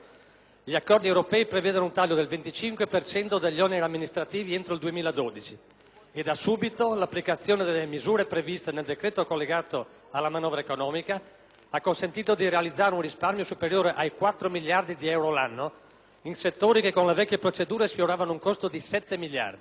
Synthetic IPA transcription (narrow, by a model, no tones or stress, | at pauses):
ʎiakːɔrd̪iewɾopɛːipɾevɛːd̪onount̪aʎːod̪elvent̪it͡ʃiŋkwepert͡ʃɛnt̪od̪eʎːɔneɾiamːinist̪ɾat̪iːvient̪ɾoild̪uemiːlad̪oːd̪it͡ʃi | ed̪asuːbit̪olapːlikat̪sːjoːned̪elːemizuːɾepɾevist̪eneld̪ekɾeːt̪okolːeɡaːt̪o | alːamanɔːvɾaekonɔːmika | akːonsent̪iːt̪od̪iɾealid̪zːaːɾeunrisparmjosupeɾjoːɾeʔajkwat̪ːɾomilːard̪id̪iɛwɾolanːo | inset̪ːoːɾikekːonlevɛkʲːepɾot͡ʃed̪uːɾesfjoɾaːvanouŋkost̪od̪isɛt̪ːemilːja̰rd̪i